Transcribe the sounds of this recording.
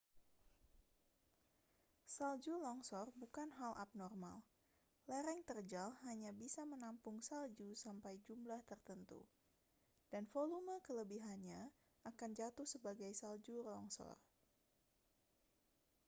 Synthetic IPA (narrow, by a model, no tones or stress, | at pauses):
sald͡ʒulɔŋsɔrbukanɦalʔa̰p̚nɔrma̰l | lɛɾɛŋt̪ərd͡ʒalhaɲabisamənampʊŋsald͡ʒusampajd͡ʒumlaht̪ərt̪ənt̪ṵ | d̥anfoluməkələbiɦanɲa | ʔakand͡ʒat̪uhsəbaɡajsald͡ʒulɔŋsɔ̰r